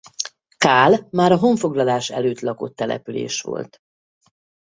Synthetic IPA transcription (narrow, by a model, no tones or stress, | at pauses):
kaːlmaːɾɒɦo̞ɱfo̞ɡlɒlaːʃɛløːt̪lɒko̞t̪ːɛlɛ̰pylḛːʃʋo̰lt̪